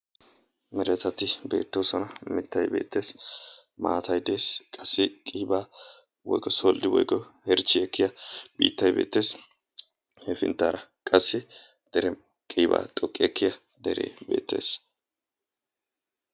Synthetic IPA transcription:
mɛɾɛt̪ːɐt̪ɪbe̞̰ːt̪ːoːsɔnɐmɪt̪ːɐjbḛːt̪ːe̞ːs | ma̰ːt̪ʰɐjd̪e̞ːskʼɐsːɪkʼiːbaː | wɔ̰jɡɔsoːld̪ɪwɔ̰jɡɔhɛɾt͡ʃːɪɛkːɪjɐb̥ḭːt̪ːɐjbḛːt̪ːe̞ːs | hɛfɪ̰nt̪ːaːɾɐkʼɐsːɪ | d̪̥ɛɾɛ | kʼiːba̰ːt̪ʼɔkʼːɪɛkːɪjɐ | d̪ɛɾḛːbe̞̰ːt̪ːe̞̰ːs

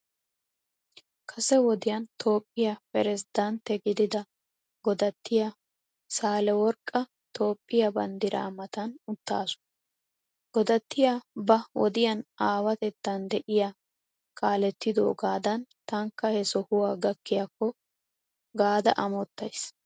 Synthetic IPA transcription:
kʰɐsɛwɔd̪ɪjɐnt̪ʰo̞ːpʼːɪjɐpɛɾɛzɪd̪ɐnt̪ːɛɡɪd̪ɪd̪ɐ | ɡɔd̪ɐt̪ːɪja | saːlɛwɔɾkʼːɐ | t̪o̞ːpʼːɪjɐbɐnd̪ɪɾa̰ːmɐt̪ɐnʊt̪ːa̰ːsʊ̥n | ɡ̥ɔd̪ɐt̪ːɪjabɐwɔ̰d̪ɪjɐnaːwɐt̪ɛt̪ːɐnd̪ɛʔɪja | kʼaːlɛt̪ːɪd̪o̰ːɡaːd̪ɐnt̪ɐŋkːɐhɛsɔhʊwaːɡɐkːɪjɐkːɔ | ɡaːd̪ɐ̰ʔɐmɔt̪ːɐjs

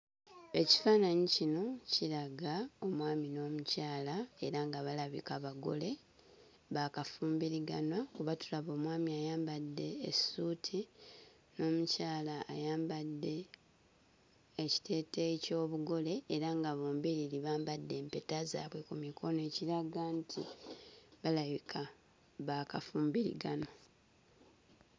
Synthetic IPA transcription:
e̞ci̥faːnaɲicino̞ciɾaɡao̞mwaːmino̞ːmucaːlae̞ɾaŋɡaβalaβḭkaβaɡo̞̰le̞ | βakafuːmbiɾiɡanwakuβatulaβo̞ːmwaːmiajaːmbadːe̞ːsuːtʰi | no̞ːmucaːlaːjaːmbadːe̞ | ci̥tʰe̞ːteico̞ːβuɡo̞le̞ːɾaŋɡaβoːmbiɾiliβaːmbadːe̞ːmpe̞taza̰ːβwe̞kumikʰo̞ne̞ːciɾaɡantʰḭ | βalaβikʰa | βakafuːmbiɾḭɡano

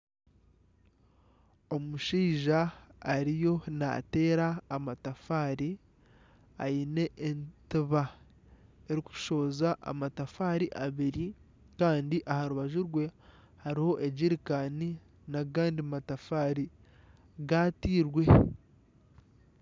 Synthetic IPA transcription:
omuʃiːʒaːɾijo̞na̰te̞ːɾaːmatafaːɾi | a̰ine̞ʔːntiβa | eɾiku̥ʃo̞ːzaʔa̰matafaːɾiʔaβiɾi | kaːndiʔahaɾuβaʒuɾwe̞ | haɾiho̞ʔe̞ɟiɾikani | naɡaːndimatafaːɾi | ɡatiːɾwe̞

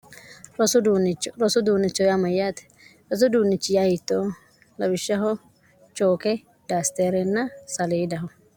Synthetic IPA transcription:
ɾɔsʊunt͡ʃɾɔsʊd̪uːnːɪt͡ʃːɔjamɐjːaːt̪ɛ̥ | ɾɔs̬ʊd̪uːnːɪt͡ʃːɪjahɪt̪ːoː | lɐbɪʃːɐɦɔ | t͡ʃoːkɛ | d̪̥aːst̪eːɾɛnːɐsɐleːd̪ɐɦɔ

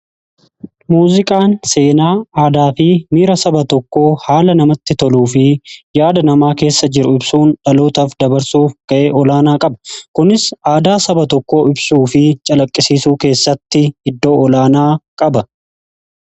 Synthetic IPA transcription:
muːzɪkʼaːnse̞ːnaːaːd̪aːfɪmiːɾɐsɐbɐt̪ɔkːo̞ːhaːlɐnɐmɐt̪ːɪt̪ɔluːfɪjaːd̪ɐnɐmaːke̞ːsːɐd͡ʒɪɾʊɪbsuːnᶑɐloːt̪ɐfd̪ɐbɐɾsuːfɡ̥ɐʔeːʔɔlaːnaːkʼɐbɐ̥kʊnɪsaːd̪aːsɐbɐt̪ɔkːo̞ːɪbsuːfɪt͡ʃʼɐlɐkʼːɪsiːsuːke̞ːsːɐt̪ːɪɪd̪ːo̞ːɔlaːnaːkʼɐbɐ

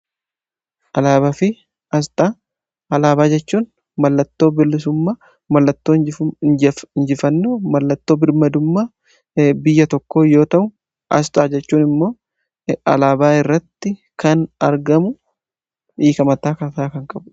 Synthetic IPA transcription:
ʔɐlaːbɐfɪ | ɐst̪ʼaː | ɐlaːbaːd͡ʒɛt͡ʃːuːn | mɐlːɐt̪ːo̞ːbɪlːɪsʊmːaː | mɐlːɐt̪ːoː | ɪɲd͡ʒɪfɐnːoːmɐlːɐt̪ːo̞ːbɪɾmɐd̪ʊmːaː | bɪjːɐt̪ɔkːoːjo̞ːt̪ɐʔʊ | ʔɐ̰st̪ʼaːd͡ʒɛt͡ʃːuːnɪmːo̞ː | ɐ̰laːbaːɪrːɐt̪ːɪkɐnɐɾɡɐmʊ | iːkɐmɐt̪aːkɐt̪aːkɐŋkʼɐbʊ

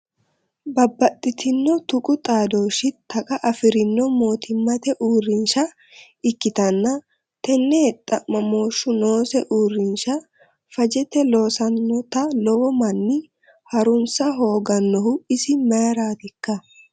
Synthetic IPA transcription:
bɐbːɐt̪ʼːɪt̪ʰɪnːɔt̪ʊkʼʊt̪ʼaːd̪o̞ːʃɪt̪ʰːɐkʼɐʔɐfɪɾɪnːɔmo̞ːt̪ʰɪmːɐt̪ɛʔuːrːɪnʃɐ | ɪkːɪt̪ɐnːɐ | t̪ɛnːɛɛt̪ʼːɐmɐmo̞ːʃːʊno̞ːsɛʔuːrːɪnʃɐ | fɐd͡ʒɛt̪ɛlo̞ːsɐnːɔt̪ɐlɔɔmɐnːɪ | hɐɾʊnsɐɦo̞ːɡɐnːɔhʊɪsɪmɐjɾaːt̪ɪkːɐ

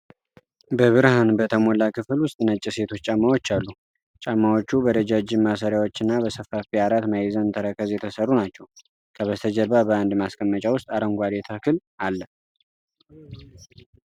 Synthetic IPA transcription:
bəβɨɾhanbət̪ʰəmo̞lakʰɨfɨlwʊst̪ʼnət͡ʃʼːise̞t̪ʰo̞t͡ʃːt͡ʃʼamːawo̞t͡ʃːalːu | t͡ʃʼamːawo̞t͡ʃːubəd̪əd͡ʒad͡ʒɪmːasəɾjawo̞t͡ʃːɪnːabəsəfːafiaɾat̪majɛzənt̪ʰəɾəkʰəzjɛt̪ʰəsərːunat͡ʃːɛw | kʰəβət̪ʰəd͡ʒəlbabəand̪maskʼəmːət͡ʃʼawʊst̪ʼaɾəŋɡʷad̪et̪ʰakʰɨlalːə

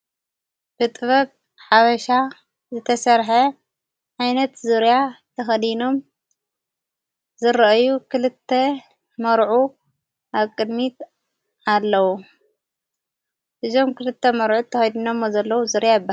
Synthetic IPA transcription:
b̥ɨt̪ʼɨβɐk̚ʼ | ħaβɐʃa | zɨt̪ʰɐsɐɾħɐ | ʕajnɐt̪zɨɾjat̪ʰɐxɐd̪ino̞m | zɨɾɐʔɐjukʰɨlɨt̪ʰːɐ | mɐɾʕu | ʔaβkʼɨd̪mit̪ | alːɐwu | hɨzo̞mkɨlɨt̪ʰːɐmɐɾʕut̪ʰːɐxɐjd̪inomːozɐlːɐwuzɨɾjajɨbːa

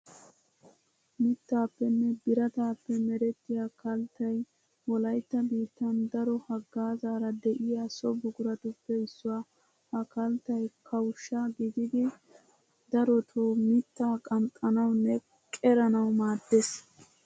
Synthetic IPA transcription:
mɪt̪ːaːpːɛnːɛbɪɾɐt̪aːpːɛmɛɾɛt̪ːɪjakɐlt̪ːɐj | wɔlɐjt̪ːɐbiːt̪ːɐnd̪ɐɾɔhɐɡːaːzaːɾɐd̪ɛʔɪjaːsɔbʊɡʊɾɐt̪ʊpːɛɪsːʊwaː | hɐkɐlt̪ːɐjkʰɐwʃːɐɡɪd̪ɪd̪ɪ | d̪ɐɾɔt̪ʰoːmɪt̪ːaːkʼɐmt̪ʼːɐnɐwnːɛ | kʼɛɾɐnɐwmaːd̪ːes

